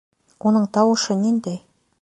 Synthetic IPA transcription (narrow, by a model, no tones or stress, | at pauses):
wʔonɤɴt̪ʰɑwɤ̆ʃənind̪ej